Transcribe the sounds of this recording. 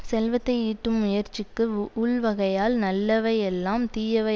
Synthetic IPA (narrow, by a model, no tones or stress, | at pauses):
sɛlʋɐt̪ːɐɪiːʈːɯmːʊjɐɾt͡ʃɪkːɯʊɭʋɐɣɐjaːlnɐlːɐʋɐɪɛlːaːmt̪iːjɐʋɐ